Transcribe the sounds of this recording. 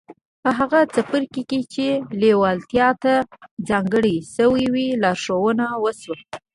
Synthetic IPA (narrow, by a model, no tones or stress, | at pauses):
pəɦaɣat͡sapəɾkeket͡ʃelewɑlt̪jɑt̪ad͡zɑŋɡəɽisəwiwilɑɾʂowənawəswə